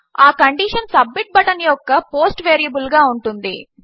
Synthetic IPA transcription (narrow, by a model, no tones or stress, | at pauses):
aːkɐɳɖiːʂɐnsɐbmiʈ̚bɐʈɐnijɔkːɐpoːsʈʋeːɾijɐbulɡaːuɳʈund̪i